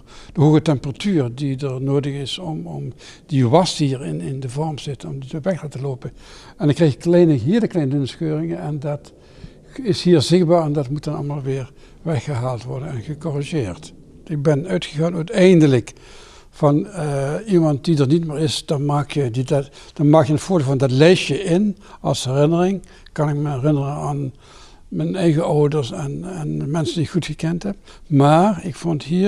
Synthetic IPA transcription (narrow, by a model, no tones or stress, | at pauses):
d̥əɦoːɣətɛmpəratyːrdidəɹnoːdəɣɪsɔmɔm | diʋɑstɦiːɹɪnɪndəvɔɹmz̥ɪtənɔmditʋɛxdatəloːpən | ɛndɑnkrɛjxɪklɛjnəɦiːdəklɛjnəɵnsxøːrɪŋəɛndɑt | ɪshiːɹzɪx̚baːɹɛndɑtmut̚dɑnɑ̰lˠmaːlˠʋɪːɹ | ʋɛxəɦaːlˠtʋɔɹdənɛnɣəkɔriʒɪːrt | ɪk̚bɛnœɥtχəɣaːnœɥtɛjndələk | fɑn | imɑnt̚didəɹnitmɪːɹɪsd̥ɑmaːkjədid | d̥ɑmaːkjəənv̥ʊːɹdɪːlvɑndɑtlejʃjəʔɪn | ɑlˠshɛrɪnərɪŋ | kɑnɪkməɛrɪnərənaːn | mənɛjɣəʔɔwdəɹsɛnɛnmɛnsəndiɪkχutxəkɛntɦɛb | maːrɪkfontɦiː